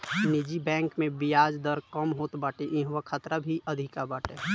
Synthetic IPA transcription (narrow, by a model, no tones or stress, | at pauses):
nɪd͡ʒibɛ̃ːŋkmẽbijaːd͡ʒd̪əɾkəmɦoːt̪baːʈeʔĩɦwəkʰət̪ɾabʱiʔəd̪ʱiɪkabaːʈe